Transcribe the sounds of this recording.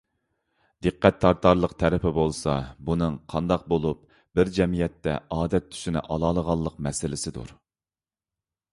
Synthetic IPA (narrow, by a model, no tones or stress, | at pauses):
d̪̥ɨqʰːæt̪ʰːɑɾt̪ɑɾlˠəqt̪ʰɛɾɪpʰɪbolˠsɑ̰bunɨŋqʰɑnd̪ɑq̚bolˠup̚ | b̥ɪɾd͡ʒɛmijɛt̪ʰːɛ̰ɑːd̪ɛt̪ʰːy̥ʃinɪ̰ʔɑlˠɑːlˠəʁɑlˠːəqmɛsɪlɪsɪd̪ṵɾ